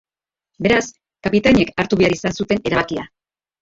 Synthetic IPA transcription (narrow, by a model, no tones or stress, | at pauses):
be̞ɾas | kapit̪aɲe̞kaɾt̪uβe̞aɾisansut̪e̞ne̞ɾaβ̞akia